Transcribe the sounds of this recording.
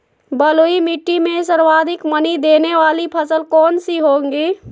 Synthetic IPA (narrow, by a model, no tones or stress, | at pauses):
bəloimɪʈːimẽsəɾwaːd̪ʱɪkmənid̪eːneʋaːlipʰəsəlkɔːnsiɦoːŋɡiː